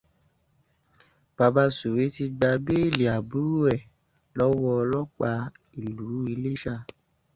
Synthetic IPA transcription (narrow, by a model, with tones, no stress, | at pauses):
b̥a˨˧ba˧su˨we˨˦ti˧ɡ͡ba˧be˦i˦˨li˨a˨bu˨˦ɾu˦ɛ˦˨ | lɔ˦wɔ˧lɔ˦k͡pa˧ | i˨lu˨˦i˧le˦ʃa˧